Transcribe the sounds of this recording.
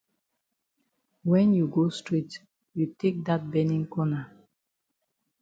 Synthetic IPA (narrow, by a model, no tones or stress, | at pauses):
wɛ̃njuɡostɹit | jutek̚dat̚bɛnĩŋkɔna